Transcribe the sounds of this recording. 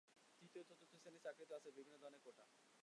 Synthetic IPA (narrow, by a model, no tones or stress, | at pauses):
t̪it̪ot̪ʰot̪ʰot̪ʰːosenit͡ɕakɾit̪oat͡ɕʰebibʱinːod̪ʱɔɾoneɾkoʈʰa